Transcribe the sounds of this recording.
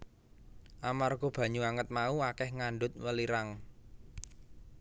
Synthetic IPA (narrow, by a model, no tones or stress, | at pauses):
ʔamarɡ̥o̤b̥ä̤ɲuaŋət̪̚mauakɛhŋaɳɖʊt̪̚wəliɾaŋ